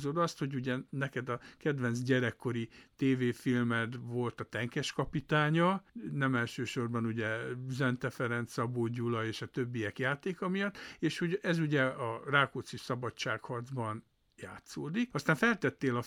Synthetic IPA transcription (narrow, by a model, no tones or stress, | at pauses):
zo̞d̪ɒst̪ho̞ɟuɟɛnɛkɛd̪ɒkɛd̪ʋɛnzs̬ɟɛɾɛkːo̞ɾit̪eːveːfilmɛt̪vo̞lt̪ɒt̪ɛŋkɛʃkɒpit̪aːɲɒnɛmɛlʃøːʃo̞rbɒnuɟɛzɛnt̪ɛfɛɾɛnt̪sɒboːɟːulɒeːʃɒt̪øbːijɛkjaːt̪eːkɒmijɒt̪ːeːʃhoɛzuɟɛɒraːkoːt̪siʃsɒbɒt͡ʃːa̰ːkhɒrd̪zbɒn | jaːt̪soːd̪ik̚ɒst̪aːɱfɛlt̪ɛt̪ːeːlɒ